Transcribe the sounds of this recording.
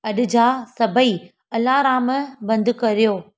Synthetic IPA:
ɐɗɪ̆d͡ʑaːsɐbʱəi | ɐlaːɾaːmbɐ̃nd̪kɐɾijoː

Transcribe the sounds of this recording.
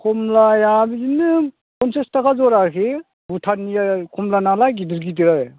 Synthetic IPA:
kʰɔmlajabinɯ | kʰɔnsestakʰazɔɾaɾkʰe | butʰanijakʰɔmlanalaɡiduɾɡit̬iɾaj

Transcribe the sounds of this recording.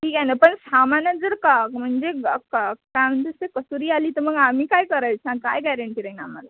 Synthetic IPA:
ʈʰiːkanapəɳsamanjəd͡zəɽkam̤əɳd͡zekkam̤əntest̪ekəsuɾialit̪əməɡamikajkəɾəjt͡sʰãkajɡɛɾəɳʈiɾəina̰mala

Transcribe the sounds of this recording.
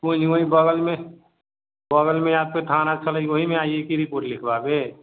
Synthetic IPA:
onioĩbəɡəlmẽ | bəɡəlmẽjaːd̪̚peʈʰaːnat͡ʃʰələiwoɦimẽaːiekiɾɪpoːʈlɪkʰbabe

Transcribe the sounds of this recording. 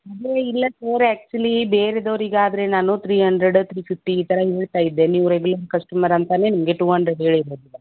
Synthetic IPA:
ɐd̪ɾeilːɐsɐːɾɛːk̚t͡ʃuɐlibeːɾed̪oʋɐɾiɡaːd̪ɾe̞naːnut̪ʰɾiːɦɐɳɖɾeɖt̪ʰɾiːpʰifʈiːt̪ɐɾɐɦeːɭt̪aːjid̪ːeniːʋɾeɡulɐɾkɐsʈumɐɾɐnt̪ɐne̞nimɐɡe̞ʈuːɦɐɳɖɾeɖɦeːɭiɾoːd̪ilːɐ

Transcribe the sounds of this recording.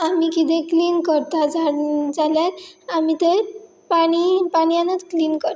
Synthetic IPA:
amikit̪̬ẽkliːnkəɾt̪ad͡zaɽd͡zaljaɾamit̪eɾ | paɽ̃ipaɳjãnət͡s̪kliːnkəɾt̪

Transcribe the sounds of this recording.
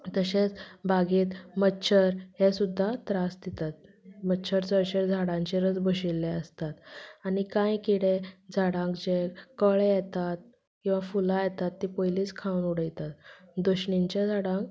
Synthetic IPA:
t̪əɕet͡sbaɡiːt̪mətːɕʰəɾhesud̪ʱːat̪ɾasd̪et̪at̪̚ | mətːɕʰəɾt͡səɾɕeɾd͡zʱaɽãɲt͡ɕeɾəd͡zbəɕilːeəst̪at̪aɽikãjkiɽẽd͡zʱaɽãŋkd͡ʑekəɭejet̪at̪̚ | kĩw̃ʋafulajet̪at̪ːiːpojliːt͡skʰawnuɽəjt̪at̪d̪oɕɳiɲt͡ɕjad͡zʱaɽãk

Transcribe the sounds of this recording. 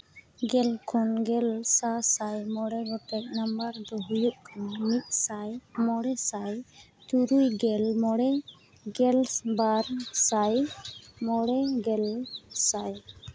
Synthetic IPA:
ɡɛlkʰɔnɡɛlsasajmɔɽɛɡɔʈɛk̚nambaɾd̪ɔɦujuʔkʰanmit̪̚ˀsajmɔɽɛsaj | t̪uɾujɡɛlmɔɽɛ | ɡɛlbaɾsajmɔɽɛɡɛlsaj

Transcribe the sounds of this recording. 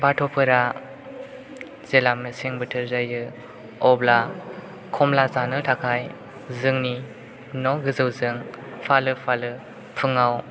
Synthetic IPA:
batʰɔpʰɯɾa | z̥elameseŋbɯtʰɯɾzajɯ | ɔbla | kʰɔmlazanɯtʰakʰaj | zɯŋni | nɔɡɯzɯwzɯŋ | pʰalɯpʰalɯ | pʰɯŋaw

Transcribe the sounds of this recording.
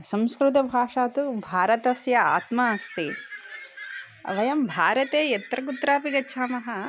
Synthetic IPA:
sɐ̃mskɾut̪̬ɐbʱaːʂaːt̪ubʱaːɾɐt̪ɐsjɐa̰ːt̪maɐst̪i | ɐ̰ʋɐjɐmbʱaːɾɐt̪eːjɐt̪ɾɐk̬ut̪ːɾaːpiɡɐtːʃʰaːmɐɦɐ

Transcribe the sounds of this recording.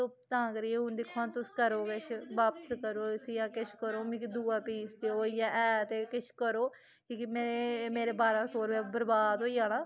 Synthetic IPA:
t̪oːt̪ãːkəɾɪẽʊ̃nd̪ɪkʰːoaːt̪ʊskəɾoːkəʃʰʋaːpəskəɾoːsjãːkɪʃʰkəɾoːmɪkid̪uːaːpiːsd̪eoːijãːʔɛːt̪eːkɪʃʰkəɾoː | kikimeːemeːɾeːbaːɾãːsoːɾʋeːbəɾbaːd̪ɦoːiːãːnãː

